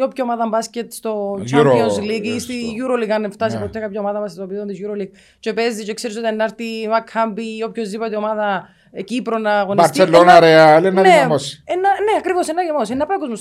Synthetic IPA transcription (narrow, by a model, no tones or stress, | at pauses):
opçomaðɐmbɐscet̪st̪ot͡ʃoslikist̪iʝuɾolikɐneft̪ɐs̬ipot̪ːekapçaomaðɐmɐst̪opiðot̪izjuɾoliɡ | t͡ʃepezːit͡ʃekseɾis̬ot̪ienːɐɾt̪imɐkhambiopçozipɐt̪iomaðɐ | ecipɾonɐːɣoniɐɾelːonaɾeɐlennɐnemosenːɐneɐkɾivosenːɐjɐmosenːɐpoɡozmos